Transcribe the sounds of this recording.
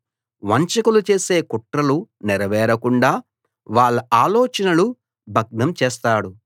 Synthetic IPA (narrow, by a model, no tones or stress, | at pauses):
ʋɐɲt͡ʃɐkulut͡ʃe̞ːse̞ːkuʈɾɐluniɾɐʋɛːɾɐkuɳɖaː | ʋaːɭːɐaːloːt͡ʃɐnɐlu | bʱɐɡ̚nɐmt͡ʃɛːst̪aːɽu